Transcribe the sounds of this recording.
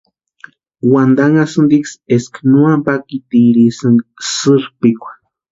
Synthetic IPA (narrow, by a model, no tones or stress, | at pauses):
wand̪aŋasɨnd̪iksesknuampakit̪iɾisɨŋɡsɨɾpikʷḁ